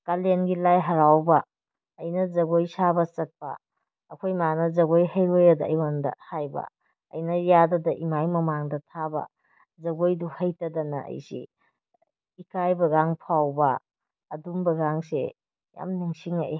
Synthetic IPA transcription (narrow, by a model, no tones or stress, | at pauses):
kalenɡilajɦɐɾawbɐː | jnɐzɐɡojsabɐsɐk̚pɐ̰ː | kʰojmanɐzɐɡojhɐjɾojadɐ̰ːjwandɐ̰hajbɐ̰ | ɐ̰jnɐjadɐdɐʔimajmɐmaŋdɐtʰabɐ̰ | zɐɡojduhɐjtɐdɐnɐ̰ʔɐ̰jsḭ | ikajbɐɡaŋpʰawbɐ | ɐdumbɐɡaŋsḛ | ja̰mniŋsiŋa̰j